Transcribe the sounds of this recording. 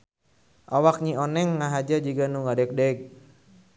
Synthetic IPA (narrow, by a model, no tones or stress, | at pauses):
ʔawak̚ɲionɛŋːaɦad͡ʒad͡ʒiɡanuŋadɛk̚dɛɡ̚